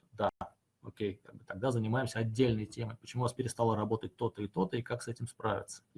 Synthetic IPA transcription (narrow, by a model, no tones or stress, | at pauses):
d̪a | okʲejka̰ɡ̚bɨt̪ɐɡ̚d̪azənʲɪmajɪmsʲəɐdʲːelʲnəjtʲe̞məjpət͡ɕɪmuvaspʲɪɾʲɪst̪alˠəɾɐbo̞t̪ət̚ʲt̪o̞t̪əit̪o̞t̪əikaksɛtʲɪmspɾavʲɪ̰t̪sə̥